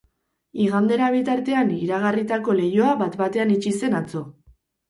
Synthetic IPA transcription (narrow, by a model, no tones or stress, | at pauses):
iɣand̪e̞ɾaβ̞it̪aɾt̪e̞aniɾaɣ̞arit̪ako̞le̞jo̞aβat̪bat̪e̞anit͡ʃise̞nat͡so̞